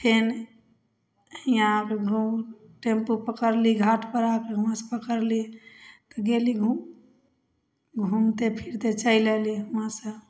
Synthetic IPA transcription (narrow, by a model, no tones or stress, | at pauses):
pʰen | hiakeɡʱu | ʈempupəkəɾliɡʱaʈʰpəɾakeɦəmãsə̥pəkəɾlit̪ɔɡeliɡʱu | ɡʱumt̪epʰiɾt̪et͡ʃəjleliɦəmasə̃